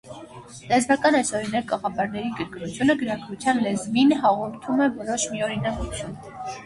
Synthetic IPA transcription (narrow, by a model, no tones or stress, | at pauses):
lɛzmɑkɑnɛsɔɾinɛɾ̚kʼɑʁɑpɑɾnɛɾiɡəɾkɾut͡sʰjunəɡəɾɑkʰvut͡sʰjɑnlɛzminɦɑʁɔɾt̪ʰumɛvɔɾɔʃmiɔɾinɑkut͡sʰjun